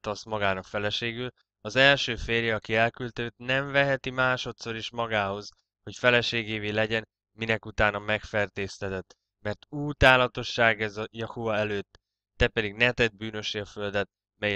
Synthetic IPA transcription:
t̪ɒsmɒɡaːnɒkfɛlɛʃeːɡyl | ɒzɛlʃøːfeːrjɛɒkiɛlkylt̪øːt̪nɛɱvɛɦɛt̪imaːʃo̞t̪so̞ɾiʃmɒɡaːho̞z | ho̞cfɛlɛʃeːɡeːveːlɛɟɛn | minɛkut̪aːnɒmɛkfɛrt̪eːst̪ɛt̪ɛt̪ː | mɛrt̪uːt̪aːlɒt̪o̞ʃːaːɡɛzɒjɒhuɒɛløːt̪ː | ɛpɛd̪iɡnɛt̪ɛd̪̚byːnø̞ʃiɒfø̞ld̪ɛt̪̚ | mɛj

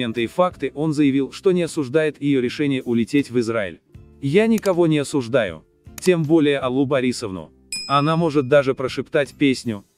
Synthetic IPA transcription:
ent̪ɨɪfakt̪ɨʔo̞nzəjɪvʲilˠʂt̪o̞nʲɪɐsʊʐd̪ajɪt̪jɪjoɾʲɪʂɛnʲɪjəʔʊlʲɪtʲetʲvɨzɾaɪ̰lʲ | janʲɪkɐvo̞nʲɪɐsʊʐd̪ajʊ̰ | tʲe̞mbo̞lʲɪjəɐlˠubɐɾʲisəvnʊ̰ | ɐnamo̞ʐɨt̪̚d̪aʐɨpɾəʂɨpt̪atʲpʲesʲnʲʊ

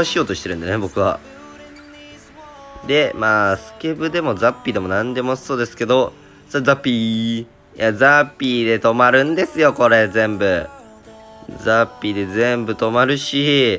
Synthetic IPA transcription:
oɕijo̞ːt̪o̞ɕi̥t̪e̞ɾɯ̟nd̪esnebo̞kɯ̟βa̰ | d̪e̞maːsɨ̥kebɯ̟d̪e̞mo̞zapʲːiːd̪e̞mo̞nãnd̪e̞mo̞so̞ːd̪e̞sɨ̥ke̞d̪o̞ | sozapʲːi | jazapʲːiːd̪e̞t̪o̞maɾɯ̟̃nd̪e̞sɨjo̞ko̞ɾe̞zẽ̞mbɯ̟ | zapʲːiːd̪e̞zẽ̞mbɯ̟t̪o̞maɾɯ̟ɕi

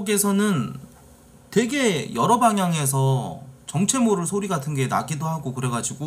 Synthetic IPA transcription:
ɡe̞sʰʌnɯn | twe̞ɡe̞jʌɾʌbaŋjaŋe̞s̬ʰʌt͡ɕʌŋt͡ɕʰe̞moɾɯɭsʰoɾiɡatʰɯnɡe̞na̰ɡidoɦaɡokɯɾe̞ɡad͡ʑiɡo

